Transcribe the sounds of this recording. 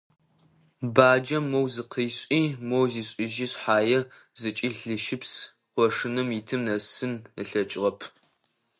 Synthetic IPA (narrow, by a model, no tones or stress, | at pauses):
baːd͡ʒɐmowzɨqʰiːɕʷʼiːmowziːɕʼɪʒiːɕħaːjɛ | zɨt͡ʃʼiːɬɨʃɪps | qʷɔʂɨnɨmitʰɨmnɐsɨnɨɬɐt͡ʃʼʁɐpʰ